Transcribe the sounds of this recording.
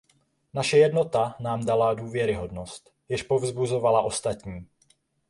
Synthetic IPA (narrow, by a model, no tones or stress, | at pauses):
naʃɛjɛdno̞t̪anaːmdaladuːvjɛɾɪɦo̞dno̞st̪ | jɪʃpo̞vzbuzo̞valaʔo̞st̪at̪ɲiː